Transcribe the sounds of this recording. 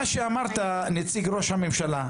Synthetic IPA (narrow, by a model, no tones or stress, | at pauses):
aʃeamaʁt̪anet͡siɡɾo̞ʃhamemʃala